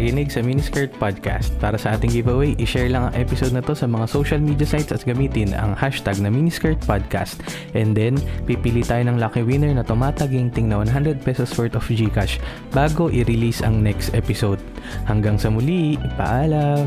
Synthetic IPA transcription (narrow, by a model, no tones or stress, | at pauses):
ɐkɪnɪɡsɐminiskɐɹt̪̚pad̪̚ka̰st̪̚paːɾɐsɐʔaːt̪ɪŋɡivɐwɛjʔɪʃɛɹlɐŋɐŋʔɛpɪsowd̪nɐt̪o̞sɐmɐŋasowʃɐlmid̪jɐsajt̪sɐt̪̚ɡɐmiːt̪ɪnɐ̰ŋhaʃt̪aɡ̚nɐminiskɛɹt̪̚pad̪̚ka̰st̪ | ʔɛnd̪ɛnpipɪlit̪aːjonɐŋlɐkɪwɪnɛɹnɐt̪ʊmaːt̪ɐɡɪŋt̪ɪŋnɐwɐnɦand̪ɾɛd̪̚pɛsosfɛɹt̪ofd͡ʒikaʃ | baːɡo̞ʔɪɾɪlisɐ̰ŋnɛkst̪ʔɛpɪsowd̪̚hɐŋɡaŋsɐmʊlipɐ̰ʔaːlɐm